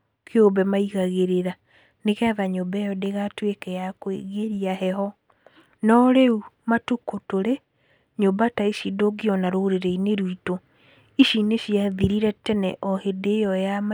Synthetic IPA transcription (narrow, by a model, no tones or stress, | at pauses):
kʰeobɛmaiɣaɣeɾeɾa | nekɛðaɲobɛjɔdeɣatwekɛjakwḛɣeɾiaɦɛhɔ | nɔɾeumatukotoɾe | ɲobataiʃidoɡiɔnaɾoɾeɾɛineɾwito | iʃineɕiaðiɾiɾɛtɛnɛ̰ʔɔhedejɔjama